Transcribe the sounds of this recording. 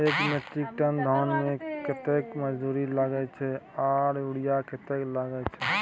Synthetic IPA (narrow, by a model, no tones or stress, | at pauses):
ekmeik̚ʈənd̪ʱɔnmekɪt̪ekməd͡ʒd̪uːɾiləɡɛt͡ʃʰɛaɾuɽijakɪt̪ekləɡɛt͡ʃʰɛ